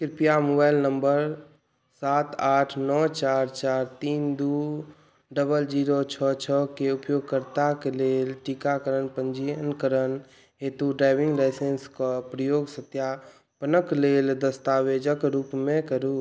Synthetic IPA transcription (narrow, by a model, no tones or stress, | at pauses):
kɪɾpijamobaːɪlnəmbəɾ | saːt̪aːʈʰnɔt͡ʃaːɾt͡ʃaːɾt̪iːnd̪u | ɖəbəld͡ʒiːɾot͡ʃʰɔt͡ʃʰɔkeʊpjoːɡ̚kəɾt̪akeleːlʈikakəɾənpənd͡ʒiənkəɾən | ɦeːt̪uɖɾaːɪʋɪ̃ŋɡlaɪseːnskapɾəjoːɡsət̪ja | pənəkleːld̪əst̪aːʋed͡ʒəkɾuːpmẽkəɾu